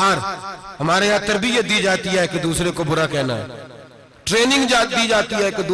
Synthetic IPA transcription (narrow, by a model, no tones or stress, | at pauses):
aːɾɦɐmaːɾeɦat̪ːɐɾbɪjət̪̚d̪iːd͡ʒaːt̪iɦɛkd̪uːsɾekobʊɾakɛːna̰ɦɛ̰ː | ʈɾeːnɪ̃ŋɡd͡ʒaːt̪̚d̪iːd͡ʒaːt̪iɦɛked̪